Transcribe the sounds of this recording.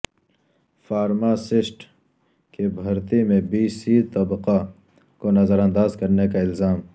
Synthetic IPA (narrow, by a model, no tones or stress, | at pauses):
faːɾmaːsɪsʈ | kebʱɐɾt̪imẽbiːsiːt̪ɐbqa | konɐzəɾãnd̪aːzkɐɾnekaɪlzaːm